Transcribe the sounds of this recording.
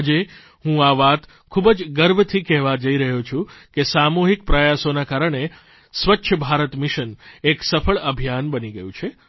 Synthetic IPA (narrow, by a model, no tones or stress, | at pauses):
d͡ʒe | ɦũaʋat̪ | kʰubəd͡ʒɡəɾbət̪ʰikɛɦʋad͡ʒəiɾəɦut͡ʃʰũkesamuɦik̚pɾəjasonakaɾəɳ̃e | sʋətːʃʰəbʱaɾət̪miʃəneksəfʰəɭəbʱijanbəniɡəjũt͡ʃʰe